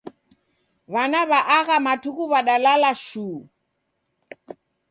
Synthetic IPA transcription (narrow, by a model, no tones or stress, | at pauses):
βanaβaʔaɣamatʰukuβaɗalalaʃuː